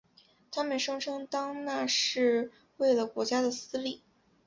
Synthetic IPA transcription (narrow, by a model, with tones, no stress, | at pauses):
t̪ʰa˥mə˨nʂɤ˥ŋʈ͡ʂʰɤ˥ŋt̪ɑ˥ŋna˥˧ʂɻ̩˥˩ | we˥˩ɪlə˩kwɔ˧˥t͡ɕja˥d̪ə˨sɹ̩˥li˥˩